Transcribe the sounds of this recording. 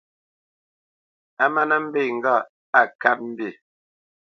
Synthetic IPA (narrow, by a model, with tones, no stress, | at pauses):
a˦ma˦nə˦m̩˦be˦˨ŋ̩˨ɡa˦˨ | a˨ka˦p̚m̩˦bi˦˨